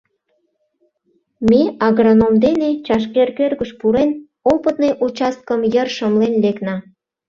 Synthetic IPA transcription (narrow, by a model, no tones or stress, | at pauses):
meɑɣronomd̪enet͡ɕɑʃkerkørɣəʃpuɾen | opət̪̚nejʔut͡ɕɑst̪̚kəmjərʃəmlenleknɑ